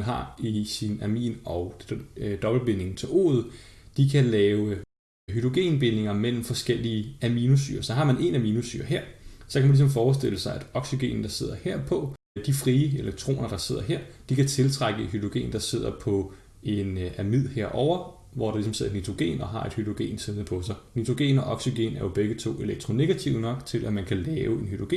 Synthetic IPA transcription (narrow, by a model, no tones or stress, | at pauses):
nɦɑ̈isinæmḭːnɒ̽ʊd̥ɒ̽b̥l̩b̥ene̝ŋn̩t͡sʰe̝lo̝̰ːð̩ˠd̥ikʰælɛːʊə | ɦyd̥ʁo̝ɡ̥e̝̰ːnb̥e̝ne̝ŋɐmel̰m̩fɒ̽sɡ̥el̰iːəæminusy̰ːɐsɒ̽ɦɑ̈mæne̝næminusy̰ːɐɦeɐ̰sɒ̽kʰæmænlis̬ɒ̽mfɒːs̬d̥e̝ləsɑ̈ɪʔæd̥ɒ̽ɡ̥siɡ̥e̝̰ːnn̩d̥ɑ̈se̝ð̞̰ˠɐheɐ̰pʰɒ̽ | d̥ifʁiːəeleɡ̥̚t͡sʰʁo̝̰ːnɐd̥ɑ̈se̝ð̞̰ˠɐɦeɐ̰d̥ikʰæt͡sʰe̝lt͡sʰʁaɡ̥əehyd̥ʁoɡ̥e̝̰ːnd̥ɑ̈se̝ð̞̰ˠɐpʰɒ̽ | e̝næmið̰ˠheɐ̰ʔɒʊ̰ɐ | ʋɒdɑ̈lis̬ɒmse̝ð̰ˠenid̥ʁo̝ɡ̥e̝̰ːnɒ̽ɦɑ̈e̝d̥hyd̥ʁoɡ̥e̝̰ːnsiðˠnəpʰɒ̽sɑ̈ɪnid̥ʁo̝ɡ̥e̝̰ːnɒ̽ʔɒɡ̥syɡ̥e̝̰næɐjo̝b̥eɡ̥ət͡sʰo̝̰ːe̝leɡ̥̚t͡sʰʁo̝ne̝ɡ̥æt͡sʰiʊnɒ̽ɡ̥t͡sʰe̝lʔæmænkʰælɛːʊe̝nhyd̥ʁoɡ̥e̝̰ːn